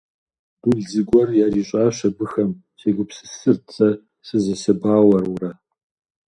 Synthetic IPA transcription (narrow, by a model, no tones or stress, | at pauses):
d̥uɮzɨɡʷɔrjaːɾiːɕʼaːɕɐbɨxɐm | ɕeːɡʷʊpsɨ̥sɨrt͡sʰʼɐ | sɨzɐsɐbaːwɐrʊrɐ